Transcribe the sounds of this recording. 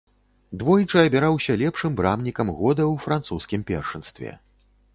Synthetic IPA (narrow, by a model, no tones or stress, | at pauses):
d̪vɔjt͡ʂɐɐbʲɛɾawsʲɐlʲɛpʂɨmbɾamnʲikɐmɣɔd̪ɐwfɾant̪suskʲimpʲɛ̰rʂɨnst̪vʲɛ̰